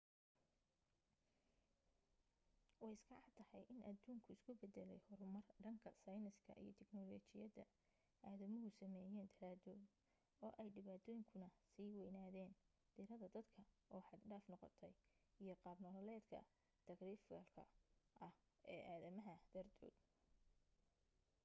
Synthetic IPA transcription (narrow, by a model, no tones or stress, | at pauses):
wɑjɪsɡɑʕɑd̪̚t̪ʰɐhɐjʔɪnʔɐd̪uːŋkʰʊɪskʰʊbɛd̪ɛlɛjhɔɾʊmɐrɖɐŋkʰɐsɐjnɪskʰɐ̰ʔḭjɞ̰t̪ʰɛɡnɔːlɔːt͡ʃɪjɐðɐ̰ | ʔaːðɐmɔɦʊsɐmɛːjɛːnt̪ʰɐɾaːd̪ɔːd̪ | ɔːʔɛjɖɪβaːt̪ʰɔːjɪŋkʰʊnɐsiːwɛjnaːðɛːn | d̪̥ɪɾɐðɐd̪ɐd̪kʰɐʔɔːħɑd̪ɖaːfnɔqɔ̰t̪ʰɛjijɞqɑːbnɔllɛːd̪kʰɐ̰ | t̪ʰɐɡriːfɛ̰lkʰɐ̰ʔɐh | ɛːʔaːðɐmɐɦɐd̪̥ɐrd̪ʰɔ̰ːd̪